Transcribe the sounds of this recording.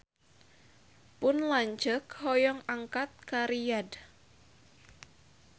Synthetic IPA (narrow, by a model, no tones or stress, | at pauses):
pʊnlaɲt͡ʃəkhɔjɔŋaŋkat̪̚kaɾijad